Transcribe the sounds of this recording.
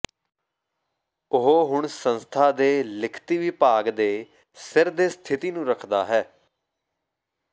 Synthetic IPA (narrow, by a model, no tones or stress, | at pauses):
ʊɦoːɦʊɳsənst̪ʰaːd̪eːlɪkʰt̪iːʋiːpaːɡd̪eː | sɪɾd̪eːst̪ʰɪt̪iːnũːɾəkʰd̪a̰ːɦɛː